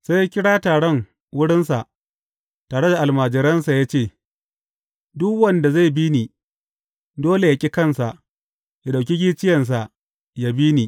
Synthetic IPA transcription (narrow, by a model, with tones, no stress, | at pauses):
sa˦ja˦kʲɪ˦ɽaː˦taː˨ɽɔ˦˨ŋ | wʊ˦ɽɪ˦nsa˨ʔ | taː˨ɽe˦da˨ʔa˨lmaː˨d͡ʒɪ˨ɾɐ˦nsa˨jaː˦t͡ʃeː˦˨ | dʊ˦kwɐ˦nda˨za˦˨jbi˦niː˨ | doː˦le˨ja˨kʲʼi˦kɐ˦˨nsa˨ʔ | ja˨ɗa˨kʲi˦ɡʲi˦t͡ʃɪ˦jɐ˨ns̬a˨ʔ | ja˦bi˦niː˨